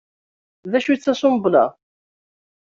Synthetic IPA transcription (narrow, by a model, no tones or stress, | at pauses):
ðæʃut͡sːæsʊmblæ̰